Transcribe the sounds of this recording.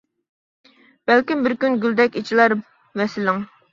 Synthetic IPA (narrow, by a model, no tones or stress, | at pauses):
b̥ɛlkʲimbɪɾkʲynɡʲyld̪ɛkʲit͡ʃʰilˠɑɾ | vɛsɪlɪŋ